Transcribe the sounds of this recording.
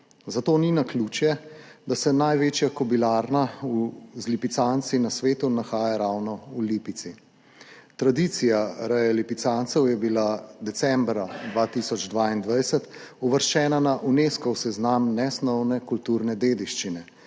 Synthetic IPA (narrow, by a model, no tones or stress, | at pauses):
zat̪oːninakluːt͡ʃjɛd̪asɛnajʋeːt͡ʃjakɔbilaːɾnauzlipit̪sant̪sinasʋeːt̪unaxaːjaɾawnɔulipit̪si | t̪ɾad̪it̪sijaɾajalipit̪sant̪sɛwjɛbilad̪ɛsɛmbɾad̪ʋat̪isɔd͡ʒd̪ʋaːind̪ʋajsət̪uʋəɾʃt͡ʃɛːnanaʔuneːskɔwsɛznamnɛsnɔwnɛkult̪uɾnɛd̪eːd̪iʃt͡ʃinɛ